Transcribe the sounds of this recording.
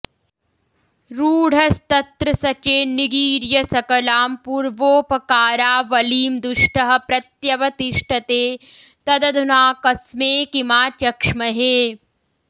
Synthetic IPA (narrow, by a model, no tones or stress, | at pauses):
ɾuːɽ̤ʱɐst̪ɐt̪ɾɐsɐt͡ʃeːniɡiːɾjɐsɐkɐlaːmpuːɾʋoːpɐkaːɾaːʋɐliːmd̪uʂʈɐɦɐ̆pɾɐt̪jɐʋɐt̪iʂʈʰɐt̪eː | t̪ɐd̪ɐd̪ʱunaːkɐsmeːkimaːt͡ʃjɐkʂmɐɦeː